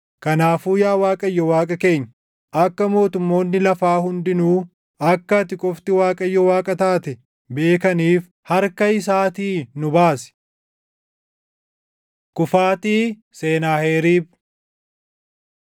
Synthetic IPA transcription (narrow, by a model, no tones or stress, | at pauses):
kɐnaːfuːjaːwaːkʼɐjːɔwaːkʼɐke̞ːɲː | ɐkːɐmo̞ːt̪ʊmːo̞ːnːɪlɐfaːhʊnd̪ɪnuː | ɐkːɐt̪ɪkʼɔft̪ɪwaːkʼɐjːɔwaːkʼɐt̪aːt̪ɛ | be̞ːkɐniːf | hɐɾkɐɪs̬aːt̪iːnʊbaːsɛ̥ | kʊfaːt̪iː | se̞ːnaːhe̞ːɾiːb̚